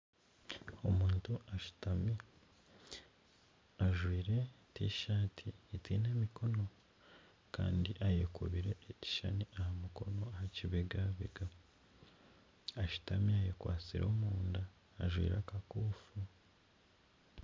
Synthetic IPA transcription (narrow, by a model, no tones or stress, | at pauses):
omuːntuaʃu̥tami | aʒwiːɾe̞ | tiʃaːtʰietiːne̞ːmiko̞no̞ | ka̰ːndiʔajekṵβiɾeːci̥ʃa̰niʔahamuko̞no̞ahaciβeɡaβḛɡa | aʃu̥tamiajekwa̰ːt͡siɾʔo̞ːmuːndaː | ʒwḭːɾakakuːfu